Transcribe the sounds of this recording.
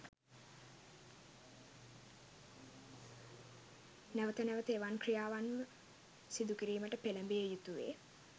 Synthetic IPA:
næʋət̪ənæʋət̪eːʋankrijaːʋanmə | sid̪ukiɾiːməʈəpeləmbejejut̪uʋḛː

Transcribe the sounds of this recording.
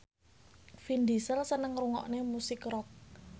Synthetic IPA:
find̪isəlsənəŋruŋɔ̰ʔnemusɪkrɔk̚

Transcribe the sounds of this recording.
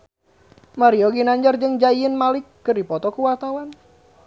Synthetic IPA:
maɾiɔɡinaɲd͡ʒard͡ʒəŋd͡ʒaiənmalɪkːɨrdipɔt̪ɔkuwat̪awan

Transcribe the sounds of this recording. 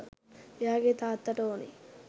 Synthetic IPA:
eaːɡeːt̪aːt̪ːɐʈɐoːnḭ

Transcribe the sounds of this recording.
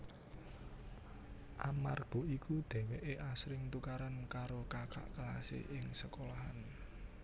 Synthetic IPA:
ʔamarɡ̥ɔ̤ʔikud̪̥ɛ̤weʔeʔasɾɪŋt̪ukaɾankaɾokakʰa̰ʔkəlasḛʔɪŋsəkolaɦane

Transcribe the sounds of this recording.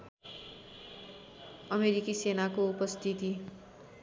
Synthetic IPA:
ʌmeɾikisenakoupʌst̪ʰit̪i

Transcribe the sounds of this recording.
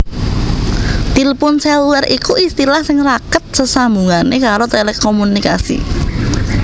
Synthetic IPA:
t̪ilpʊnsɛlwɛrikuist̪ilahsɪŋrakət̪̚səsambuŋanekaɾot̪elekomunika̰sḭ

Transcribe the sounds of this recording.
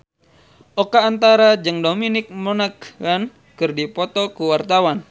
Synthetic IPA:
ʔɔkaːnt̪aɾad͡ʒɨŋdominɪk̚monakːan | kɨrdipɔt̪ɔkuwart̪awan

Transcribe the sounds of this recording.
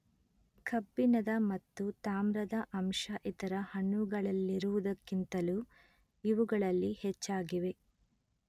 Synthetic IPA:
kɐbːinɐd̪ɐmɐt̪ːut̪aːmɾɐd̪ɐʔɐmʃɐʔit̪ɐɾɐhɐɳːuɡɐɭɐlːiɾuʋud̪ɐkːint̪ɐluː | iʋuɡɐɭɐlːihɛt͡ʃːaːɡiʋe̞

